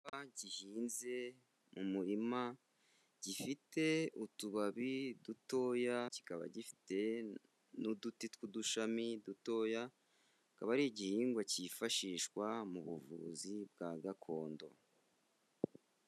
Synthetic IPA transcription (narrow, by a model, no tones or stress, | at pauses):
aɟihiːnze̞ | mumuɾima | ɟ̥ifite̞utuβaβiduto̞ːjaci̥kaβa̰ɟifi̥te̞ | nudutitwuduʃamiduto̞ja | kaβaɾiɟihiːŋɡwacifaʃiːʃkwamuβṵvṵzib̚ɡaɡakʰo̞ːndo̞̰